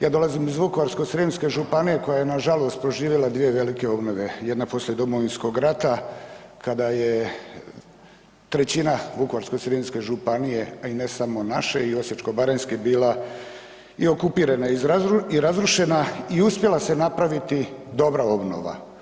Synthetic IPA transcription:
jaːd̪o̞lˠazimizʋukoʋaɾsko̞sɾimske̞ʒupanije̞ko̞jaje̞naʒalo̞st̪̚pɾo̞ʒiːʋjelˠad̪ʋie̞ʋe̞like̞o̞bno̞ʋe̞jed̪napo̞slʲied̪o̞mo̞ʋinsko̞ɡɾat̪akad̪aje̞ | t̪ɾe̞t͡ɕinaʋukoʋaɾsko̞sɾimske̞ʒupanije̞ainesamo̞naʃe̞io̞set͡ʃko̞baɾenskebiːla | io̞kupiːɾanaizɾaiɾazɾuʃe̞naiuspje̞lˠase̞napɾaʋit̪id̪o̞bɾao̞bno̞̰ʋa̰

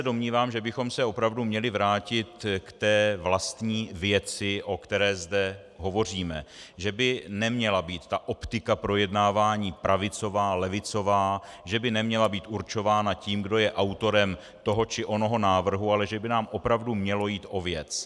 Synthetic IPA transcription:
ɛdo̞mɲiːvaːmʒɛbɪxo̞msɛo̞pɾavdumɲɛlɪvɾaːcɪt̪kt̪ɛːvlast̪ɲiːvjɛt͡sɪʔo̞kt̪ɛɾɛːzdɛ | ɦo̞vo̞r̝iːmɛʒɛbɪnɛmɲɛlabiːt̪ːaʔo̞pt̪ɪkapɾo̞jɛdnaːvaːɲiːpɾʔavɪt͡so̞vaːlɛvɪt͡so̞vaːʒɛbɪnɛmɲɛlabiːt̪uɾt͡ʃo̞vaːnaciːmɡdo̞jɛʔawt̪o̞ɾɛm | t̪o̞ɦo̞t͡ʃɪʔo̞no̞ɦo̞naːvr̩ɦualɛʒɛbɪnaːmʔo̞pɾavdumɲɛlo̞jiːt̪ʔo̞vjɛt͡s

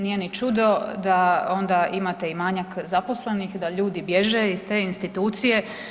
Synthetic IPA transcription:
nijenit͡ʃud̪o̞d̪aond̪aʔimat̪eimaːɲakzapo̞sle̞nixd̪aʎuːd̪ibje̞ʒeist̪eːinst̪it̪uːt̪sije̞

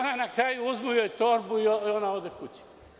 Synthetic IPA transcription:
nanakɾaːjuozmujojt̪ɔɾbuiɔɔnaɔd̪ɛkut͡ʃi̥

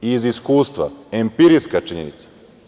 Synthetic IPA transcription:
iziskuːst̪ʋa̰empiɾiskat͡ʃiɲenḭt̪sḁ

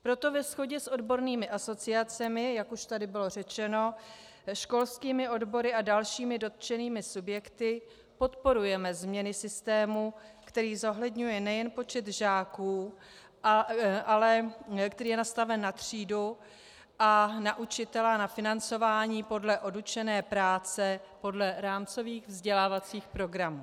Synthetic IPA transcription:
pɾo̞t̪o̞vɛsxo̞ɟɛsʔo̞dbo̞ɾniːmɪʔaso̞t͡sɪat͡sɛmɪjakuʃt̪adɪbɪlo̞r̝ɛt͡ʃɛno̞ | ʃko̞lskiːmɪʔo̞dbo̞ɾɪadalʃiːmɪdo̞t̪̚t͡ʃɛniːmɪsubjɛkt̪ɪ | po̞t̪po̞ɾujɛmɛzmɲɛnɪsɪst̪ɛːmukt̪ɛɾiːzo̞ɦlɛdɲujɛnɛjɛnpo̞t͡ʃɛt̪ʒaːkuː | ʔalɛkt̪ɛɾiːjɛnast̪avɛnːat̪r̝̥iːdu | ʔanaʔut͡ʃɪt̪ɛlanafɪnant͡so̞vaːɲiːpo̞dlɛʔo̞dut͡ʃɛnɛːpɾaːt͡sɛpo̞dlɛɾaːmt͡so̞viːxvzɟɛlaːvat͡siːxpɾo̞ɡɾamuː

